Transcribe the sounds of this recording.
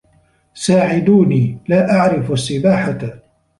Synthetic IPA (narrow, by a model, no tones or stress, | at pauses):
saːʕɪd̪uːniːlaːʔaʕɾɪfasːɪbaːħa